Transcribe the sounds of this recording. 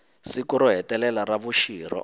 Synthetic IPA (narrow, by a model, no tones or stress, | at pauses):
sikuɾɔɦɛtɛlɛlaraβuʃiːɾɔ̰